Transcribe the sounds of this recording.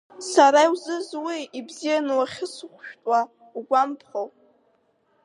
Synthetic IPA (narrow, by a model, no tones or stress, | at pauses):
saɾaiwzɨzwiibzijanɨwaχʲɪskʷʰʼʃᶣtʼwa | uɡʷampʰχow